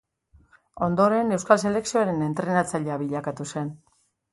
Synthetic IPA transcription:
o̞nd̪o̞ɾe̞ne̞wskalse̞le̞ksio̞aɾe̞ne̞nt̪ɾe̞nat͡saʎeaβiʎakat̪use̞n

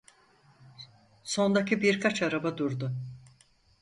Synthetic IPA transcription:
so̞nd̪acʰibiɾkʰat͡ʃaɾabad̪uɾd̪ʊ

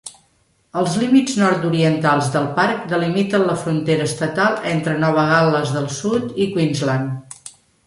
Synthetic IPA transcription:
əlˠzlimid͡znɔɾt̪uɾiənt̪alˠzðəlˠpaɾk̚d̪əlimit̪ənləfɾunt̪eɾəːst̪ət̪alˠent̪ɾənɔβ̞əɣaləzðəlˠsut̪ikwinzlan

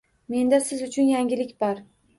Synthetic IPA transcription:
me̞nd̪asɪzʊt͡ʃʰʊnjaŋɡʲɪlɪkʲbaɾ

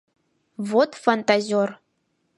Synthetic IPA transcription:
vot̪fant̪azʲior

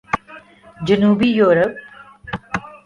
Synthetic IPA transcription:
d͡ʒənuːbijoːɾəp̚

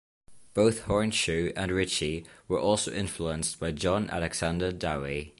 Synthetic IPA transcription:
b̥oʊθhɔɹə̃nʃʉːə̃nɹɪt͡ʃiwəɹʔɔˑlˠsoʊʔɪ̃ɱfluə̃nsb̥aɪd͡ʒɒ̃na̰lɛɡz̥ãndədai

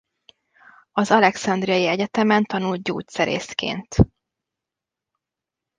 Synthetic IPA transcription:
ɒzɒlɛksɒnd̪rijɒjiɛɟɛt̪ɛmɛnt̪ɒnult̪̚ɟoːsɛɾḛːskḛːnt̪

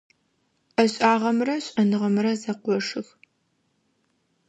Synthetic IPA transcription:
ʔɐɕʼaːʁɐmrɐɕʼɐnɨʁɐmrɐzɐqʷɔʂɨx

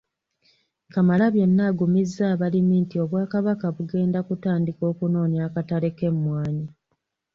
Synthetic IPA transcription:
kamalaβje̞nːaɡumizːaːβalimiːntio̞βwaːkaβakaβuɡe̞ːndakutaːndiko̞ːkuno̞ːnjaːkatale̞ke̞mːwaːɲi

